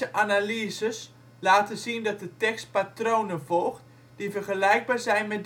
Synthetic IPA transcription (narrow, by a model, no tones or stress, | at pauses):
əʔanaliəzəs | laːtəzindɔt̚dətɛkst̚patrownəvɔlˠxt | d̥ivərχəlɛjɡ̚baːrzɛjnmɛd